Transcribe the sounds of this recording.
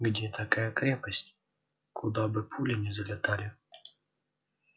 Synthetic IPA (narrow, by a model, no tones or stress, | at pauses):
ɡdʲet̪ʰɐkajəkɾʲepəsʲtʲ | kʰʊd̪abɨpʰulʲɪnʲɪzəlʲɪt̪alʲɪ